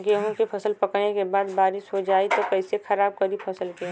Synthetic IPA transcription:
keɦõkipʰɐsəlpɐknekebaːd̪baːɾɪʃɦod͡ʒaːit̪okɛɪsexʰɐɾaːb̚kɐɾipʰɐsəlke

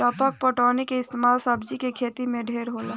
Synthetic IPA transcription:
ʈəpək̚pəʈɔːnekeɪst̪emaːlsəbd͡ʒikekʰeːt̪imẽɖʱeːɾɦoːla

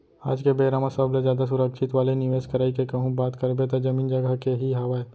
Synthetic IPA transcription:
a̰ːd͡ʒkebeːɾaːmasablezjaːd̪as̬ʊɾəkʃɪt̪ʋaːlenɪʋeːskɐɾaːikekɐɦũbaːt̪kɐɾbet̪ad͡ʒɐmĩːnd͡ʒɐɡakeɦiɦɐʋae

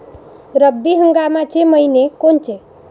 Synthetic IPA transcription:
ɾəbːiɦəŋɡamat͡ʃʰeməinekont͡ʃʰe

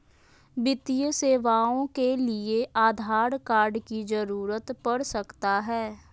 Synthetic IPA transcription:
bɪt̪ijəseːʋaːõkelɪeʔaːd̪ʱaːɾkaːɾɖkizəɾuːɾət̪pəɽsəkt̪aɦɛː

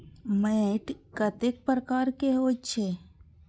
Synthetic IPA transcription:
meʈkət̪ek̚pɾəkaːɾkeɦoːt͡ʃʰe

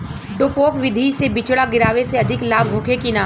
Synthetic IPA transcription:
ɖoːpoːkʋɪd̪ʱisebɪt͡ʃɽaɡɪɾaːʋeseɐd̪ʱɪklaːbɦoːkʰekinaː

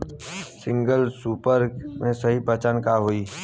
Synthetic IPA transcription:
sɪ̃ŋɡəlsuːpəɾmẽsɐɦipət͡ʃənkaɦoiː

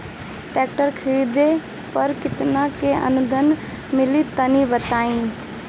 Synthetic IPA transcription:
pɛːk̚ʈəɾkʰiɾid̪e | pəɾkɪt̪nakeʔə̰nʊd̪ʱən | mɪlit̪ənibət̪aːi

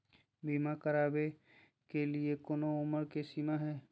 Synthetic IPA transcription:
biːmakəɾaːbe | keliekoːnoʊməɾkesiːmaɦɛː

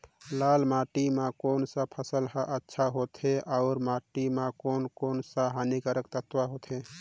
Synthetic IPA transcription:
laːlmaʈimãkoːnsapʰəsəlɦəʔətːʃʰaɦot̪ʰeaʊɾmaːʈimãkoːnkoːnsaɦanikəɾək̚t̪ət̪waɦot̪ʰɦe

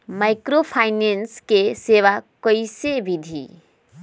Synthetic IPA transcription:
majkɾopʰajnenskeseʋakəjsebid̪ʱḭ

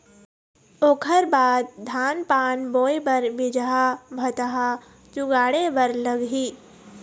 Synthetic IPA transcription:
oːkʰəɾbaːd̪̚d̪ʱaːnpaːnboːjbɐɾbɪd͡ʒɦabʱɐt̪aɦa | t͡ʃʊɡaːɽebɐɾlɐɡɦiː

